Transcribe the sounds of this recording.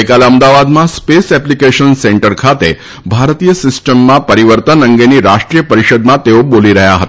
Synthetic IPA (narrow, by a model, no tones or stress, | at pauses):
kaleəmd̪aʋad̪maspesɛplikeɕənseɳʈəɾkʰat̪e | bʱaɾt̪ijəsisʈəmːapəɾiʋəɾt̪ənəŋɡeniːɾaʂʈɾijəpəɾiɕəd̪mat̪eʋoboliɾəɦjaɦət̪